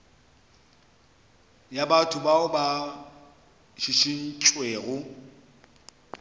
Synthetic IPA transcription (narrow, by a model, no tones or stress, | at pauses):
jabatʰʊbaʊba | ʃiʃin̩t͡ʃʼweːɣʊ